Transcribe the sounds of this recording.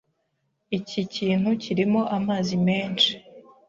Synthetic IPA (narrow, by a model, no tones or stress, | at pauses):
iciciːn̥huciɾimo̞ʔamaːzime̞ːnt͡ʃi̥